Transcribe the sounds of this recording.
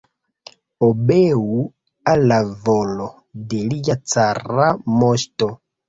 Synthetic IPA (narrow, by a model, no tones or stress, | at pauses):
obeu | alavɔlɔ | delijat͡saɾamɔʃtɔ